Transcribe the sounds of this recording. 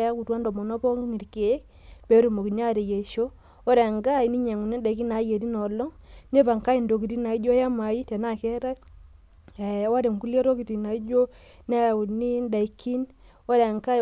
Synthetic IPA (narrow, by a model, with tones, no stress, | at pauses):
a˦ku˨twa˦ndɔ˨mɔ˨nɔ˦pɔ˦ŋ˦ni˨ɾke˨˦k | pe˨˦ɾu˦˨mo˨ki˨na˦˨ɾe˨je˨ʃo˦ | ɔ˦ɾɛ˨ŋɡa˦˨i˨ni˦ɲe˨ŋu˨ni˦nda˨i˦ki˦na˨˦je˨ɾi˦nɔ˨lɔ˦ŋne˦pa˨ŋka˦i˨ndo˨ki˨ti˦na˨i˦d͡ʒo˦ja˦ma˨i˦te˨na˦˨kɛ˦ɾa˦t | e˨wa˦ɾe˨ŋku˦le˦ɾo˦ki˨ti˨na˨i˦d͡ʒo˦ | ne˦˨u˨ni˦nda˨i˨˦kʰi˦n | o˦ɾɛ˨ŋka˦